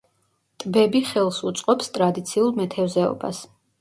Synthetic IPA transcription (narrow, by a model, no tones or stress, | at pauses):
t̪ʼbɛbiχɛlˠsut̪sʼqʼɔpst̪ʼɾad̪it̪sʰiulˠmɛt̪ʰɛvzɛɔ̰ba̰s